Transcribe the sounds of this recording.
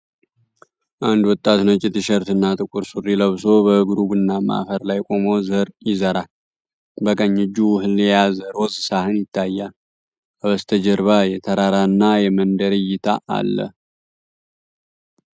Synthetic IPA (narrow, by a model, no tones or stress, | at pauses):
ʔand̪wɔt̪ʼːat̪nət͡ʃʼɪt̪ɨʃəɾt̪ɨnːat̪ʼɨkʼuɾsurːiləβso̞bəɡɾubɨnːama̰ʔfəɾlajkʼo̞mozəɾjɪzəɾa | bəkʼəɲːɨd͡ʒːuwɦɨljazəɾo̞zɨsahɨnjɪt̪ʰːajːa | aβəst̪ʰəd͡ʒəɾβajɛt̪ʰəɾaɾaɨnːajɛmənd̪əɾɨjɪt̪ʰaʔa̰lːə̰